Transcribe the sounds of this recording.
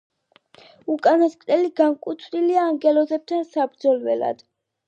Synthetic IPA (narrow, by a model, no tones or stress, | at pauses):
ukʼanɔskʼt̪ʼɛliɡaŋkʼut̪ʰvniliaːŋɡɛlɔzɛb̚t̪ʰansabɾd̪zɔlvɛ̰la̰d̪̥